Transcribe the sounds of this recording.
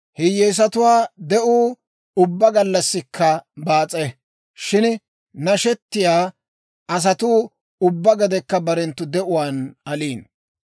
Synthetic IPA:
hɪjeːs̬ɐt̪ʊwaːd̪ɛʔuː | ʊbːɐɡɐlːɐsːɪkːɐbaːt͡sʼːɛ | ʃɪn | nɐʃɛt̪ːɪjaː | ɐs̬ɐt̪uː | ʊbːɐɡɐd̪ɛkːɐbɐɾɛnt̪ːʊd̪ɛʔʊwaːnɐliːn

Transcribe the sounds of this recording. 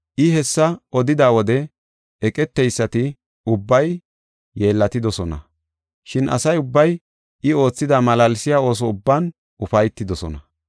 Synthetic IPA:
ʔɪɦɛsːɐɔd̪ɪd̪aːwɔd̪ɛ | ɛkʼɛt̪ːɛjsːɐt̪ɪ | ʊbːɐjː | e̞ːlːɐt̪ɪd̪ɔsɔnɐ̰ | ʃɪnʔɐ̰sɐjʊbːɐj | ʔɪo̞ːt͡sːɪd̪aːmɐlɐlɪsɪjaːo̞ːs̬ɔʊbːɐn | ʔʊfɐjt̪ːɪd̪ɔsɔ̰nɐ

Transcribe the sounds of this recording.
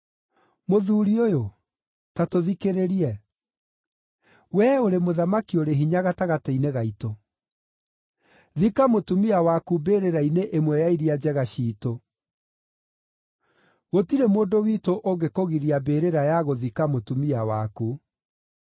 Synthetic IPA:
moðuːɾiojo | tatoðikeɾeɾiɛ | wɛoɾemoðamakioɾeɦiɲaɣataɣataineɣaito | ðikamotumiawakubeːɾeɾaineʔemwɛjaiɾiad͡ʑɛɣaɕiːto | ɣotiɾemoːndowitoʔoɡekoɣiɾiabeːɾeɾajaɣoðikamotumiawaku

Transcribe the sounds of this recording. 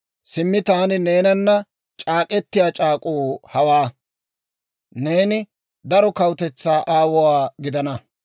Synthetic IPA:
sɪmːɪt̪aːnɪne̞ːnɐnːɐ | t͡ʃʼaːkʼɛt̪ːɪjaːt͡ʃʼaːkʼuːhɐwaː | ne̞ːnɪ | d̪ɐɾɔkɐwt̪ɛt͡sːaːʔaːwɔwaːɡɪd̪ɐnɐ

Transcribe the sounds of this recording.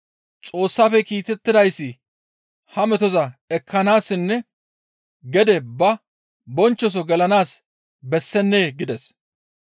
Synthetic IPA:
t͡sʼo̞ːsːaːfɛkiːt̪ɛt̪ːɪd̪ɐjsːɪ | hɐmɛt̪ɔzɐɛkʰːɐnaːsːɪnːɛ | ɡɛd̪ɛbɐ | bɔnt͡ʃːɔs̬ɔɡɛlɐnaːs | bɛsːɛnːeːɡɪd̪ɛs

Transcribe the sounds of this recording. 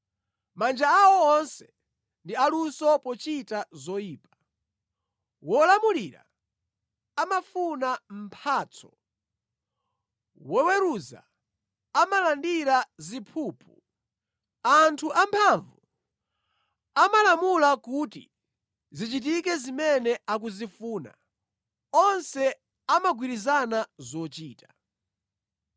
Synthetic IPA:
mand͡ʒaːwɔːnsɛ | ndialusɔpɔt͡ʃitazɔjiːpḁ | wɔlamuliɾa̰ | amafunam̩pʰaːt͡sʰɔ̥ | wɔwɛɾuza̰ | amalandiɾazipʰuːpʰu | antʰuʔampʰaɱvu | amalamulakutḭ | zit͡ʃit̬ikɛzimɛnɛʔak̬uzifuːna̰ | ɔnsɛ | amaɡwiɾizanazɔt͡ʃiːtḁ

